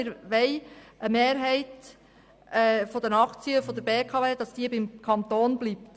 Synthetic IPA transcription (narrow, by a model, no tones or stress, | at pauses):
ɪɾʋɛɪəmeːɾɦɛɪt | ɛfɔd̪ənɑχt͡siəfɔd̪əɾbeːkʰɑːveːd̥ɑsd̥iəbɪmkʰɑnt̪oːnblipt